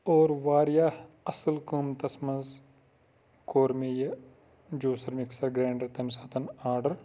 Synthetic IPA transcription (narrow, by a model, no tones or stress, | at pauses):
oːɾʋaːɾja | ɐsəlkuːmt̪ɐsmɐnz | koːɾmejɐ | d͡ʒoːsɐɾmɪksɐɾɡɾẽːɳɖɐɾt̪ɐms̬aːt̪ʰɐnaːɾɖɐɾ